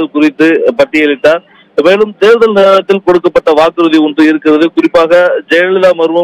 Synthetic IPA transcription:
lkʊrɪt̪ːɯpɐʈːɪjɛlɪʈːaːɾ | meːlɯmt̪eːɾɯðɐlnɪɾɐlɐt̪ːɪlkɔɽɯkːɐpːɐʈːɐʋaːkɯɾɯðiʊɳdrɯɪɾɯkːɪrɐðɯkʊrɪpːaːɣɐd͡ʒɛjɐɭɪlaːmɐɾɯmɐ

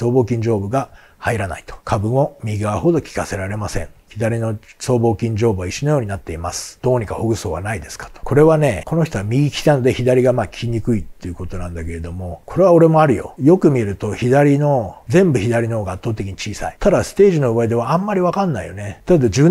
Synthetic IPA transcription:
so̞ːbo̞ːkʲĩɲ̟d͡ʑo̞ːbɯ̟ɡa | haiɾana̰it̪o̥kʰabɯ̟mo̞mʲiɡaβaho̞d̪o̞kʲi̥kase̞ɾaɾe̞masẽ̞̰ɴçid̪aɾʲino̞so̞ːbo̞ːkʲĩɲd͡ʑo̞ːbɯβaiɕːonojo̞ːɲ̟inat̪ːe̞imasɨ̥d̪̥o̞ːɲ̟ikahoɡɯ̟so̞ːβa̰naid̪e̞sɨ̥kḁt̪o̥kʰo̞ɾe̞βane̞ko̞no̞çi̥t̪oamʲiikʲi̥t̪ano̞d̪e̞çid̪aɾʲiɡamaːkʲʰiɲ̟ikɯ̟it̪ːe̞ɯ̟ko̞t̪o̞nãnd̪ake̞ɾe̞d̪o̞mo̞kʰo̞ɾe̞βaoɾe̞mo̞aɾɯ̟jo̞̰jo̞kɯ̟mʲie̞ɾɯ̟t̪o̞çid̪aɾʲino̞zẽ̞mbɯ̟çid̪aɾʲinooːɡaːt̪ːoːt̪ekʲiɲ̟it͡ɕiːsa̰it̪ʰad̪asɨ̥t̪e̞ːʑino̞ɯβaid̪e̞βaãmːaɾʲiβakanːaḭjo̞̰ne̞t̪ad̪ad̪od͡ʑi

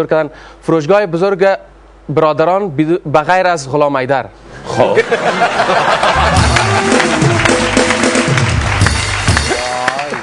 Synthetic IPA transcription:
ʊɾkʰad̪anfʊɾoʃɡɒjɪbʊzʊɾɡa | bɪɾɒd̪aɾɒnbaɣajɾazʁʊlɒmajd̪aɾ | χo

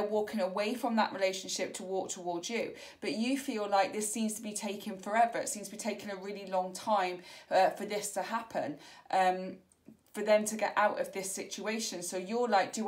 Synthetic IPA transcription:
əwɔˑkʰɪ̃ŋəweɪfɹə̃mðə̰ʔɹʔɪleɪʃə̃nʃɪp̚tʰəwɔˑk̚tʰəwɔːdzjə | b̥ʌt͡ʃəfiːlaɪk̚ðɪsĩmz̥tʰəbitʰeɪkʰə̃nfəɹɛvəɹɪ̰tsĩmztʰəbitʰeɪkɪ̃ŋəɹɪəlilɒ̃ŋtʰãɪ̃ɱʌfəðɪstʰəhapʰə̰̃nʔʌ̃m | fəðə̃mtʰəɡɛ̰ʔʔaʊtə̰vðɪsɪt͡ʃueɪʃə̃nsoʊjəlaɪk̚d̥ə

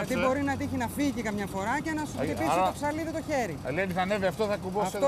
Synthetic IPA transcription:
ɐt̪ibo̞ɾinɐt̪içinɐfiʝikɐmɲɐfo̞ɾɐce̞nɐssepisst̪oksɐliðit̪o̞çe̞ɾileɐnd̪iθɐneviɐft̪oθɐkuboɐf

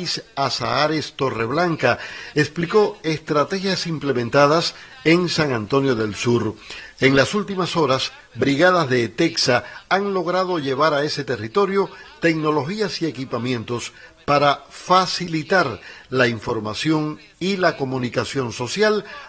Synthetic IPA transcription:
sasaaɾe̞st̪o̞re̞βlaŋkaekspliko̞e̞st̪ɾat̪e̞xjasimple̞mẽnt̪aðas | e̞ŋsaŋãnt̪o̞njo̞ðe̞lsuɾe̞ŋlasult̪imaso̞ɾas | bɾiɣað̞azðe̞t̪e̞ksaaŋlo̞ɣɾaðo̞ʝe̞β̞aɾae̞se̞t̪e̞rit̪o̞ɾjo̞t̪e̞kno̞lo̞xiasie̞kipamjẽ̞nt̪o̞spaɾafasilit̪aɾlaiɱfo̞ɾmasjo̞ŋ | ilako̞mũnikasjo̞nso̞sjal

